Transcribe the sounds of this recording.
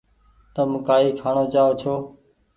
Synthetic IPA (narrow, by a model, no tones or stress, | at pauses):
t̪əmkaːiːkʰaːɳoːt͡ʃaːoːt͡ʃʰoː